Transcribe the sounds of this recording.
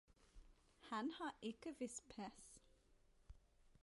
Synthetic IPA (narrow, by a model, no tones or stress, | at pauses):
hɑnhɑːɪkəʋɪspʰɛs